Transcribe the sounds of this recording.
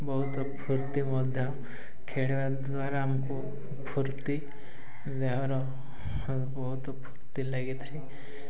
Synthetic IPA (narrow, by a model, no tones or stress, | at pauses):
bɔɦut̪ɔpʰuɾt̪imɔd̪ʱjɔ | kʰeɽiʋad̪aɾaːmku | pʰuɾt̪i | d̪ɛɦɔɾɔ | bɔɦut̪ɔpʰuɾt̪ilaɡit̪ʰɾi